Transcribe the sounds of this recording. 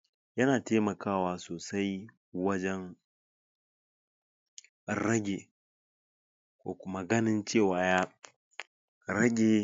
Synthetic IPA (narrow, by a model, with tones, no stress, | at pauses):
jɐ˦naː˨teː˦mɐ˨kʰaː˦˨waː˨soː˨sa˦j | wɐ˦d͡ʒɛ˦ŋ | ɾɐ˦ɡʲe˨ | kʷo̰ː˦kʷʊ˦ma˦ɡɐ˦nɪ˦nt͡ʃeː˦˨waː˨ja˦ | ɾɐ˦ɡʲe˨